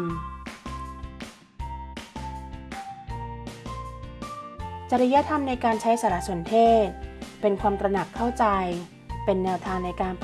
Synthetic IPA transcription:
t͡ɕa˧ɾi˧ja˦˥t̪ʰa˧mna˧jkaː˧nt͡ɕʰa˦˥jsaː˩˧ɾa˦˥ʔsu˨˩˦nt̪ʰeː˥˩t̪̚pe˧nkʰwaː˧mt̪ɾa˧na˨˩kʰːa˥˩wt͡ɕa˧j | pe˧nːɛː˧wt̪ʰaː˧ŋna˧jkaː˧np

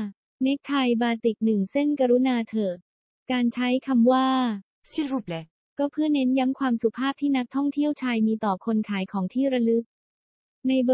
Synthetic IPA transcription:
ne˦˥k̚t̪ʰa˧jbaː˧t̪i˨˩k̚nɯ˨˩ŋse˥˩nka˧ɾu˦˥naː˧t̪ʰɤː˨˩k̚ | kaː˧nt͡ɕʰa˦˥jkʰa˧mwaː˥˩ | si˥ɾu˨˩p̚lɛ˧˦ | kɔː˥˩pʰɯ˥˩əne˦˥nja˦˥mkʰwaː˧msu˨˩pʰaː˥˩p̚t̪ʰiː˥˩na˦˥k̚t̪ʰɔ˥˩ŋt̪ʰi˥˩əwt͡ɕʰaː˧jmiː˧t̪ɔː˨˩kʰo˧nkʰaː˩˦jkʰɔː˩˦ŋt̪ʰiː˥˩ɾa˧lɯ˦˥k̚ | na˧jb

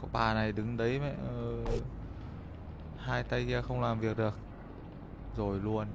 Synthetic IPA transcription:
kɔ˨˦ɓaː˨˩na˨˩jɗɨ˨˦ŋɗə˨˦jmɛ̰˧˨əː˨˩ | haː˧jt̪a˧jɣɛ˧xə˧wŋ͡mlaː˨˩mvi˨˩ək̚ɗɨ˨˩ək̚ | zo˨˩jlu˧ən

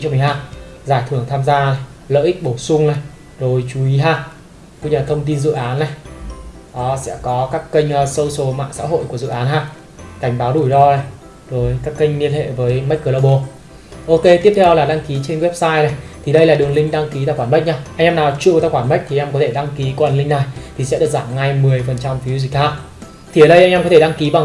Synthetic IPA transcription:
t͡ɕɔ˧m˨˩ɦaː˧˩ | zaː˧˩jt̪ʰɨ˧˩əŋt̪ʰaː˧mzaː˧na˨˩j | lə̰ː˧˨ʔi˦˥k̚ɓo˧˩wsʊ˧ŋ͡mna˨˩j | zo˨˩jt͡ɕu˨˦i˨˦ɦaː˧˩ | kṵ˧˥ɲɨ˧˨˩t̪ʰə˧wŋ͡mt̪i˧nzɨ̰˧˨ʔaː˨˦nːa˨˩j | ʔɔ˨˦sɛ̰˧˥kɔ˨˦kaː˦˥kːə˧jŋ̟ː˨˩sə˧wso˨˦ma̰ː˧˨nsa̰ː˧˥ɦo̰˧˨jku˧˩əzɨ̰˧˨ʔaː˨˦nɦaː˧˩ | ka˧˩jŋ̟ɓaː˨˦wɗu˧˩jɗɔ˧na˨˩j | zo˨˩jkaː˦˥kːə˧jŋ̟li˧ənhḛ˧˨vəː˨˦jma˦˥jk̚kːəː˧˩laː˧˩ɓo˧˩ | ʔo˧ke˧t̪i˦˥əp̚t̪ʰɛ˧wlaː˨˩ɗa˧ŋki˨˦t͡ɕe˧nwɛ˦˥p̚saː˧jna˨˩jt̪ʰi˨˩ɗə˧jlaː˨˩ɗɨ˨˩əŋlï˧ŋ̟ɗa˧ŋki˨˦taː˧˩kxwaː˧˩mɓə˦˥k̚ɲaː˧ʔa˧ŋʔaː˧naː˨˩wt͡ɕṵ˧˨wt̪aː˧˩kxwaː˧˩nmə˦˥k̚t̪i˨˧ŋʔːkɔ˨˦t̪ʰe˧˩ɗa˧ŋki˨˦ku˧˩waː˨˩nlï˧ŋna˨˩jt̪ʰi˨˩sɛ̰˧˥ɗɨ˨˩əkzaː˧˩mŋa˧jmɨ˨˩əjfə˨˩nt͡ɕa˧mfi˨˦wzi˨˩k̚haː˦˥ʔ̚ | t̪ʰi˨˩ə˨˩ɗə˧jʔa˧ŋ̟aː˧mkɔ˨˦t̪ʰe˧˩ɗa˧ŋki˨˦ɓa˨˩

